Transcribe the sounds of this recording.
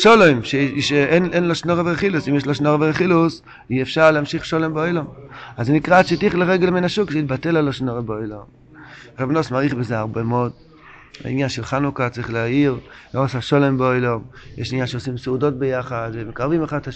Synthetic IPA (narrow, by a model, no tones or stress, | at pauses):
ʃolojmʃeʃeenʔenloʃnoʁeveχilusimjeʃloʃnoʁeveeχilus | iefʃaʁleamʃiχʃolembeojlomazenikʁaʃet̪iχleʁeɡelmenaʃukʃeit̪̚batelaloʃnoʁebeojlom | ʁabnosmaʁiχbezeaʁbemod | a̰ḭnjanʃelχanukat͡saʁiχleaiʁloasaʃolembeojlomjeʃinjanʃeosimseudo̞t̚bejaχad̪vemekaʁvimeχada